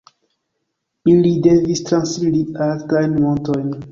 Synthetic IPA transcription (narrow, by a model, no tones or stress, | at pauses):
ilidevistɾãnsmiɾialtajnmõntojn